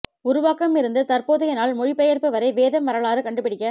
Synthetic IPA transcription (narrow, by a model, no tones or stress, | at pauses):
ʊɾʊʋaːkɐmɪɾɯnd̪ɯt̪ɐɾpoːðɐjɐnaːlmʊɻɪpːɛjɐɾpɯʋɐɾɐɪʋeːðɐmʋɐɾɐɭaːɾɯkɐɳɖɯpːɪɽɪkʲːɐ